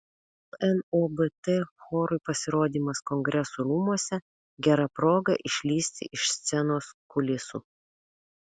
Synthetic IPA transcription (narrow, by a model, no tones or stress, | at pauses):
lɛnoːbɛt̪ɛxoːɾʊɪpɐsʲɪɾoːd̪ʲiːmɐskɔŋʲɡɾʲɛsuːɾuːmuɔsʲɛ | ɡʲɛɾɐpɾoːɡɐʔɪʃʲlʲiːsʲt̪ʲɪ̰ʔɪʃsʲt̪sʲɛnoːskʊlʲɪsṵː